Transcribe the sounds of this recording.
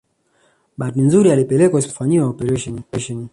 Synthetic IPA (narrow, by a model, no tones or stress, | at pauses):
ɓat̬inzuɾialipɛlɛkwausfaɲiwaɔpɛɾɛɛʃɔni